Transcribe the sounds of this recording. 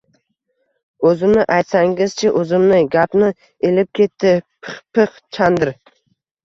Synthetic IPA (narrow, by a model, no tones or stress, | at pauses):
ɵzɪmnɪʔajt̪saŋɪzt͡ʃʰɪʔɵzɪmnɪɡʲapnɪ | elɪp̚kʲʰe̞t̪ʰːɪpʰχpʰɨχ | t͡ʃʰand̪ɪɾ